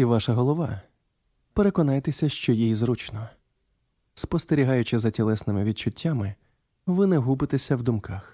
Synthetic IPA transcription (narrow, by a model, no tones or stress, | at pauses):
iʋɑʃɐɦɔlˠɔʋɑ | pe̞ɾe̞kɔnɑjt̪esʲɐʃt͡ʃɔjijizɾut͡ʃnɔ | spɔst̪eɾʲiɦɑjʊt͡ʃɪzɐtʲɛlˠɛsnɪmɪʋʲid̪̚t͡ʃʊtʲːamɪ | ʋɪnɛɦubɪt̪esʲɐwd̪ʊmkɑx